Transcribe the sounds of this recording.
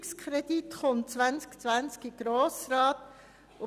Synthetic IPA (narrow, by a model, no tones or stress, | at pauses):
kskʰɾed̥̪it̪χɔnt͡sʋænskt͡sʋænskiɡ̥ɾoːsɾɑːt̪ | ʊ